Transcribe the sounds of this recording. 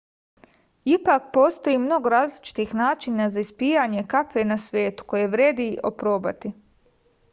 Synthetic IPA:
ipak̚po̞ːst̪o̞jimno̞ɡoɾaːzlit͡ʃi̥t̪ixnaːt͡ʃinazaispiːjaɲe̞kafenasʋjeːt̪u̥ko̞jeʋɾʲeːd̪iʔo̞̰pɾo̞ːba̰t̪i

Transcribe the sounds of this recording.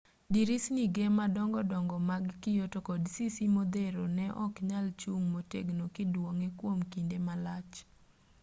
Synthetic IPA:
diɾisniɡemadɔŋɡɔdɔŋɡɔmaɡkɪjotokɔdsisimod̪eɾonɛʔɔkɲalt͡ʃuŋmotḛɡnokɪdwɔŋekwomkindemalat͡ʃ

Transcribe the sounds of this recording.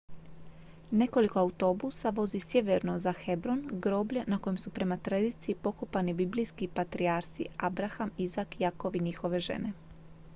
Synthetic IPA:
ne̞ko̞liko̞aut̪o̞busaʋo̞zisʲje̞ʋeɾno̞zaxe̞bɾo̞nɡɾo̞ːblʎenako̞jemsupɾe̞mat̪ɾad̪iːt̪siipo̞kopanibiblijskipat̪ɾiaɾsḭabɾaxamizakjako̞ʋiɲixo̞ʋe̞ʒe̞̰ne̞

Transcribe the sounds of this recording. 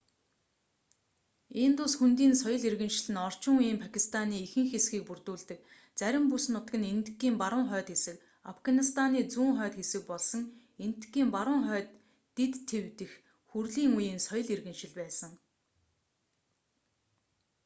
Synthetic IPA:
eːnt̪ʊsxunt̪iːnsɔjɞ̆ɮirɣɘ̆nʃɪ̆ɮɘ̆nɔr̥t͡ɕɪ̆ŋujiːmpʰakʲʰist̪ʰaniːxɘ̆ŋxesɡiːk̚purt̪uːɮt̪ɘ̆k̚ | t͡sæɾʲɪ̆mpusnʊt̪ɡɘ̆nent̪ɡiːmpaɾʊ̆ŋχœːt̪xesɘ̆k | afɡanist̪ʰaniːt͡suːŋχœːt̪xesɘ̆k̚pɔɮsɞ̆ŋ | en̥t̪ɡiːmpaɾʊ̆ŋχœːt̪ː | et̪ʰːewt̪ɘ̆x | xurɮiːŋujiːnsɔjɞ̆ɮirɣɘ̆nʃɪ̆ɮpæːsə̆ŋ

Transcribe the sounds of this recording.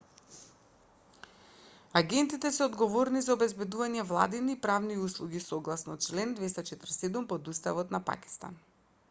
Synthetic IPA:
aɡɛnt̪it̪ɛsɛod̪ɡɔvɔɾnizaobɛzbɛd̪uvaɲɛvlˠa̰d̪iniːpɾavniuslˠuɡisoɡlˠasnɔt͡ʃlɛnd̪vɛst̪at͡ʃɛt̪ɾsɛd̪umpɔd̪ust̪avɔt̪napa̰ki̥st̪a̰n

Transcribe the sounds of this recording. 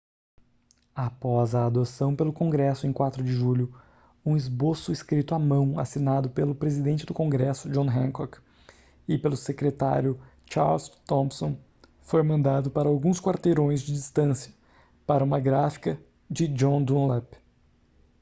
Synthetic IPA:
apɔzɐːd̪osɐ̃w̃pelʊkõɡɾɛsʊẽj̃kwat̪ɾʊd͡ʒɪʒuʎʊ | ũɪzbosʊɪskɾit̪ʊamɐ̃w̃a̰sinad̪ʊpelʊpɾezid̪ẽnt͡ʃɪd̪ʊkõɡɾɛsʊd͡ʒõɦẽkɔk | ɪpelʊsekɾet̪a̰ɾjʊ | t͡ʃa̰ɾlst̪õpsõ | fojmɐ̃nd̪ad̪ʊpaɾɐawɡũskwaɾt̪eɾõj̃zd͡ʒɪd͡ʒist̪ɐ̃sjɐ | paɾɐũmɐɡɾafi̥kɐ | d͡ʒɪd͡ʒõd̪ũlɛp

